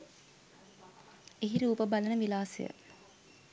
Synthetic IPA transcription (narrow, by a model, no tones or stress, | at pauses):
eɦiɾuːpəbalənəʋilaːsḛjə̰